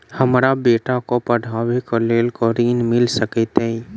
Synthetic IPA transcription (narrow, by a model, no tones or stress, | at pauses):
həmɾabeːʈakopəɽʱaːwikoleːlkoɾiːnmɪlsəkit̪e